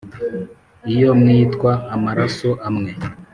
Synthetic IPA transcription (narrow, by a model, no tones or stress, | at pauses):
ijomŋiːtkwaːmaɾasuʔamŋe